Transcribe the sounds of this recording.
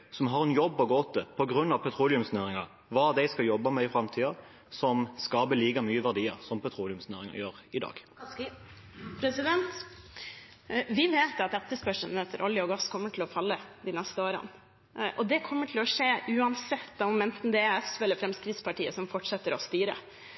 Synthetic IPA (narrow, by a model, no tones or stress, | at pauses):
sɔmɦɑʁɛnjɔbːɔɡoːt̪əpʰɔɡɾʉnːɑʋpʰɛt̪ʰɾuːlɪʉmsnøːʁɪŋɑ | ʋɑːd̪æɪskɑjɔbːɑmɛɪfɾɑmt̪ʰiːɑ | sɔmskɑːbəliːkɑmyːəʋæʁd̪iːə̰ʁsɔmpʰɛt̪ʰɾuːlɪʉmsnøːʁɪŋɑ̰jøːʁɪd̪ɑ̰ːɡ̥ | pɾɛsɪd̪ɛnt̪ | ʋɪʋeːt̪ɑt̪ɛt̪ːəspœʂənɛt̪ːəɾʔɔljəɔɡɑskʰɔmːəʈʰɪlɔfɑlːəd̪ɪnɛst̪əoːɾə̰n | ʔɔd̪ɛkʰɔmːəʈʰɪlɔʂeːʔʉːɑnsɛt̪ːɑɔmɛnt̪n̩d̪ɛæɛsʋɛləfɾɛmskɾɪt̪spɑʈʰiːəsɔmfɔʈʂɛt̪ːəɾɔst̪yːɾə̰